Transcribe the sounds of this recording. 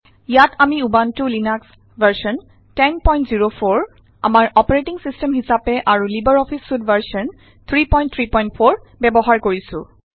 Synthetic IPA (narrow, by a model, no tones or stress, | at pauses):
jatamiubantʊlinaks | vaɹsɔn | tɛnpɔj̃ntziɹopʰoɹ | a̰maɹɔpɔɹetiŋsistɛmɦisapɛʔaɹulibəɹɔpʰisːudbʱaɹsɔn | t̪ʰɹipɔjnt̪ʰɹipɔj̃nt̚pʰoɹ | bɛbɔɦaɹkoɹisʊ̰̃